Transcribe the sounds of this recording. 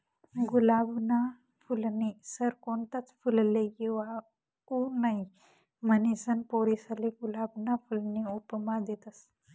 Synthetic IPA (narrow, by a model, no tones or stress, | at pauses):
ɡulabna | fulnisəɾkont̪at͡sfulleɡeʋa | unaɦi | mənisənpoɾisaleɡulabnafulniupəmad̪et̪əs